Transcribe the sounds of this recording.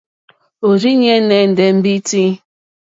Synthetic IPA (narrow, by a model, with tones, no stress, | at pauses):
o˨ɾi˦ɲe˦ne˨˦˨n̩˨de˨m̩˦bi˦ti˦